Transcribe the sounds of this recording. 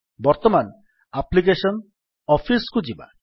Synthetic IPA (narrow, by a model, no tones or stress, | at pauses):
bɔɾt̪ɔman | aplik̬esɔn | ɔpʰiskud͡ʒiba̰